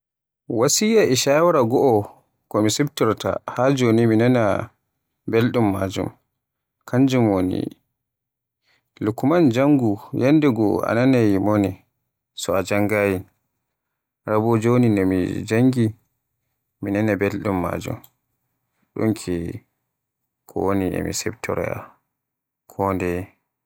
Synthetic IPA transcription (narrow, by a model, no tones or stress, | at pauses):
wasijaʔɛʃawaɾaɡɔʔɔ | kɔmisibtɔɾta̰had͡ʒoniminana | belɗumːad͡ʒṵm | kʰaɲd͡ʒumwonḭ | lukumand͡ʒaŋɡujandɛɡɔa̰nanajimoni | sɔad͡ʒaŋɡajin | ɾabɔd͡ʒoninɔmḭd͡ʒaŋɡi | minanabɛlɗumːa̰d͡ʒṵm | ɗṵnkʰɛ | kʰɔ̰woniɛ̰mḭsɛbtʰɔ̰ɾɛ̰a̰ | kʰɔndɛ